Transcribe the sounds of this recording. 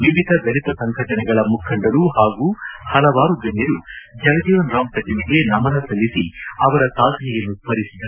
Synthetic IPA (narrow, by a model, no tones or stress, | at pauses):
ʋiʋid̪ʱɐb̪ɐɾit̪ɐsɐŋɡʱɐʈɐnɛɡɐɭɐmukʰɐɳɖɐɾuhaːɡuːhɐlɐʋaːɾud͡ʒenjɐɾud͡ʒɐlɐd̪ɐjonɾaːmt̪ɐd͡ʒiniɡe̞nɐmɐnɐsɐlːisiɐʋɐɾɐsaːd̪ʱnɛjɐnːupɐɾisid̪ɐɾu